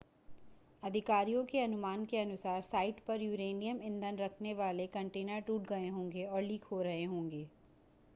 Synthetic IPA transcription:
ɐd̪ʱɪkaːɾijõkeɐnʊmaːnkeɐnʊsaːɾsaːɪʈpɐɾjuːɾeːnijəmɪ̃nd̪ʱənɾɐkʰneʋaːlekɐ̃ɳʈeːnəɾʈuːʈɡɐeɦõːŋɡeɔːɾliːkʰɦoɾɐɦeɦõːŋɡeː

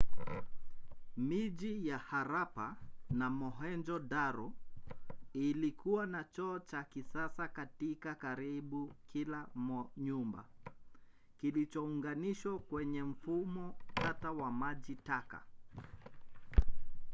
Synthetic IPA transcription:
miʄijahaɾapanamɔɦɛnd͡ʒɔdaɾɔ | ilikʰuwanat͡ʃɔːt͡ʃakisasakatikakaɾiɓukʰilamɔɲumba̰ | kilit͡ʃɔuŋɡaniʃwakwɛɲɛm̩fumɔtatawamaʄitaka̰

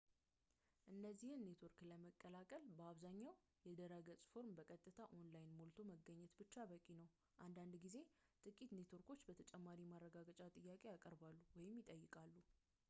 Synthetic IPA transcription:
ʔɨnːəzːihɨnːet̪ʰo̞ɾkləməkʼːəlakʼəlbəaβzaɲːaw | jɛd̪əɾəɡət͡sʼfo̞ɾmbəkʼət̪ʼːɨt̪ʰaʔo̞nlajnmolt̪ʰo̞məɡəɲːɛt̪bɨt͡ʃːaβəkʼinəw | ʔand̪and̪ɡize̞t̪ʼɨkʼit̪net̪ʰo̞ɾko̞t͡ʃːbət̪ʰət͡ʃʼɛmːaɾimarːəɡaɡət͡ʃʼat̪ʼɨjːakʼe̞jakʼəɾbalːuwɔjɪmːjɪt̪ʼəjːɨkʼalːu

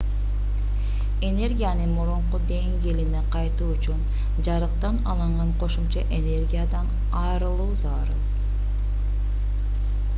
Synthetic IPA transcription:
e̞ne̞rɡʲijanɯmuɾuɴqud̪e̞ŋɡe̞lineqɑjt̪uːut͡ʃun | d͡ʒɑɾɯqt̪ɑnɑ̰lˠɯɴʁɑɴqʰo̞ʃumt͡ʃɑʔe̞ne̞rɡʲijad̪ɑn | ɑːɾɯlˠuːzɑːɾɯn

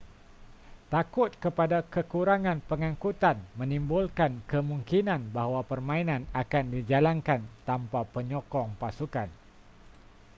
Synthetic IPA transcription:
t̪akʊt̪̚kəpadakəkuɾaŋãnpəŋãŋkut̪anmə̃nĩmbulkankəmũŋkinãnbahwapərmãinãnakandid͡ʒalankant̪ampapəɲɔkɔŋpasukan

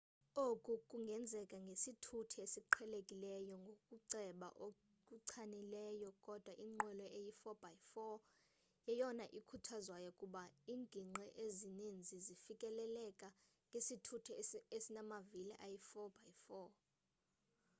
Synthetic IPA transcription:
okʼukʼuŋɡʱɛnd͡zʱɛkʼaŋɡʱesitʰutʰɛesiǃʰɛlekʼilɛjɔŋɡʱokʼuǀɛɓa̰ʔo | kʼuǀʰanilɛjɔkʼɔd̥ʱwaʔiŋ͡ǃwɛlɔejifɔb̥ajfɔ | jɛjɔnaʔikʰutʰazwajɔkʼuɓaiːŋɡʱiŋ͡ǀʱɛʔezinind͡zʱizifikʼɛlɛlɛkʼa | ŋɡʱesitʰutʰɛesinamaviliʔajifɔb̥ajfɔ

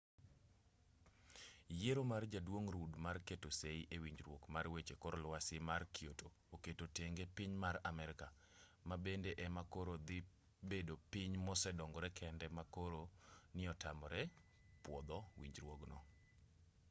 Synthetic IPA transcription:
jeɾomard͡ʒadwoŋɾudmarketoseiʔewiɲd͡ʒɾwokmarwet͡ʃekɔɾɔlwasɪmarkioto | oketoteŋɡepiɲmaɾamɛɾɪka | mabendeʔɛmakoɾod̪ɪ | bedopɪɲmɔsɛdɔŋɡɔɾɛkʰɛndɛmakoɾonɪɔtamɔɾɛ | pwɔd̪ɔwḭɲd͡ʒɾwoɡnɔ̰

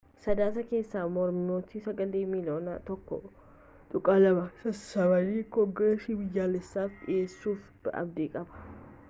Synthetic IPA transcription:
sɐd̪aːsɐke̞ːsːaːmɔɾmɪnoːt̪isɐɡɐleːmiːloːna̰t̪ɔkːɔ̰ | t̪ʼʊkʼaːlɐmɐsɐsɐbɐniːkɔŋɡɾeːsibɪjːaːlɛsːaːfᶑɪ̰ʔeːsːuːfbʔɐ̰b̚d̪iːkʼɐbɐ̥

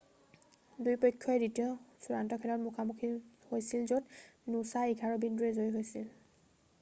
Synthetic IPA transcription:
dujpɔjkʰːɔɛditijɔsuɹantɔkʰɛtɔtmukʰamukʰihojsilzotnusaiɡʰʱaɹobinduɹɛzojɦojsil

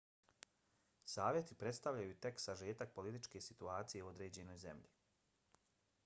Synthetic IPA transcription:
saːʋjet̪ipɾe̞t̪st̪aʋʎajut̪e̞ksaʒeːt̪ak̚po̞lit̪it͡ʃke̞sit̪uaːt̪sije̞uo̞d̪ɾe̞ːd͡ʑe̞no̞jze̞̰mʎi

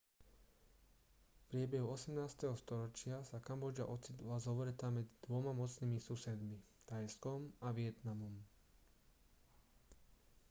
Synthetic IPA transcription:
fpɾɪɛbɛɦuɔsɛmnaːst̪ɛɦɔst̪ɔɾɔt͡ʃɪasakambɔd͡ʒa̰ʔɔt͡sit̪lazɔʋɾɛt̪amɛd͡zid̪ʋɔmamɔt͡sniːmisusɛd̪mit̪ajskɔmaʋɪɛt̪namɔm

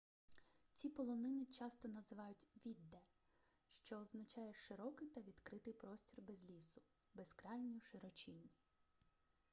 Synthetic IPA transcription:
t͡sʲipɔlˠɔnɪnɪt͡ʃɑst̪ɔnɐzɪʋɑjʊtʲʋʲid̪ːɛ | ʃt͡ʃɔːznɐt͡ʃɑjɛʃɪɾɔkɪjt̪ɐʋʲid̪kɾɪt̪ɪjpɾɔsʲtʲirbɛzʲlʲisʊ | beskɾɑjnʲiuʃɪɾɔt͡ʃinʲːi

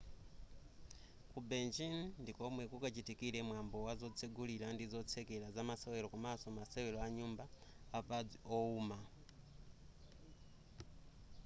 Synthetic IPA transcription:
kubɛnd͡ʒinndikɔmwɛkukat͡ʃitikiɾɛmwambɔwazɔt͡sʰeɡuliɾandizɔt͡sʰɛkɛɾazamasawɛɾɔkumasɔmasɛwɛlɔaɲumbaːpad͡ziɔuːma

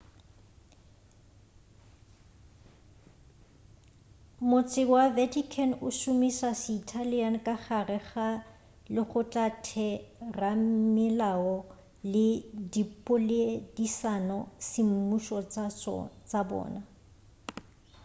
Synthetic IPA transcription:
mʊt͡sʼɪwavɛtʰikʰɛnʊʃʊmisasɪːtʰaliankʼaχarɛχa | lɪχʊtʼatʰɛrammɪlaɔ | lɪdipʼʊledisanɔsɪm̩muʃɔ | t͡sʼabɔ̰ːna

